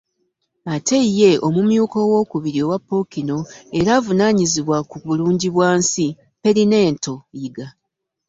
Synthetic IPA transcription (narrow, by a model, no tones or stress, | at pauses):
atʰe̞jːe̞ʔo̞mumjuːko̞wo̞ːkuβiɾio̞wapːo̞kino̞eɾaːvunaɲiziβwakuβuluːɲɟiβwaːnsi | pe̞ɾine̞ːnto̞iɡa